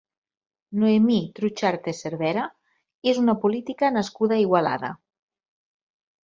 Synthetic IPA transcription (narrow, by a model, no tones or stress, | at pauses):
noemit̪ɾut͡ʃaɾt̪eseɾβɛɾa | ezunapolit̪ikanaskuðaiɣwala̰ða̰